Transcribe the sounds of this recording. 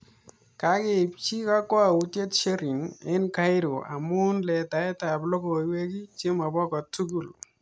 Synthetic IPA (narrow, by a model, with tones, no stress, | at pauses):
ka˨˦kɪ˨p̚t͡ʃi˦ka˦kwɔ˦a˨u˨˦tje˦tʃe˦ɾi˨ŋɪ˦nka˦ɪ˦ɾo˨ʔa̰˨mʊ˦nlɛ˨ta˨ɛ˦ta˨plɔ˦ko˨˦we˦ki˦t͡ʃe˦ma˨bɔ˦kɔ˨tu˦ɡu˨l